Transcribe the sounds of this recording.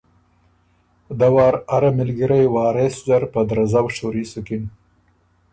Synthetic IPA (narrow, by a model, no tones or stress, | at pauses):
d̪awɑːɾaɾamɪlɡiɾajwɑːɾesd͡ʒaɾpad̪ɾazawʃoɾisukin